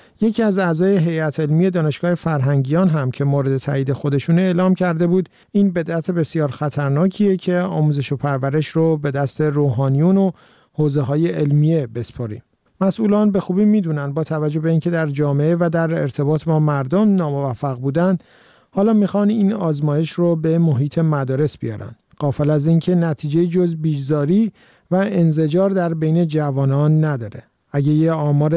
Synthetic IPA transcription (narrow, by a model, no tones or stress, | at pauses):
je̞cʰiːæzæːzɒːje̞ɦe̞jæt̪ʰe̞lmije̞d̪ɒːne̞ʃɡ̥ɒːhe̞fæɾɦæŋɟijɒːnɦæmcʰe̞moːɾe̞d̪e̞t̪ʰæ̰iːd̪e̞xo̞d̪e̞ʃuːneːlɒːmcʰæɾd̪e̞buːd̪ | iːnbe̞d̪ʔæt̪ʰe̞be̞sijɒːɾxæt̪ʰæɾnɒːcʰiːe̞cʰe̞ɒːmuːze̞ʃo̞pʰæɾvæɾe̞ʃrobe̞d̪æst̪ʰe̞ɾoːɦɒːnijuno̞ | hoːze̞ɦɒːje̞ʔelmije̞be̞spʰɒɾḭːm | mæsʔuːlɒːnbe̞xuːbiːmiːd̪uːnænd̪̚bɒːt̪ʰævæd͡ʒo̞hbe̞incʰe̞d̪æɾd͡ʒɒːme̞evæd̪æɾe̞̰ɾt̪ʰe̞bɒːt̪ʰbɒːmæɾd̪omnɒːmo̞væfːæɣbuːd̪ænd̪ | hɒːlɒːmiːxɒniːnɒːzmɒːje̞ʃrobe̞moɦiːt̪ʰe̞mæd̪ɒːɾe̞sb̥ijɒ̰ːɾæ̰nd̪̥ɡ̥ɒːfelæzincʰe̞næt̪ʰiːd͡ʒe̞jid͡ʒozbiːd͡ʒzɒːɾiː | væenze̞d͡ʒɒːɾd̪æɾbejne̞d͡ʒævɒːnɒːnːæd̪ɒːɾe̞ | æɟejeɒːmɒːɾe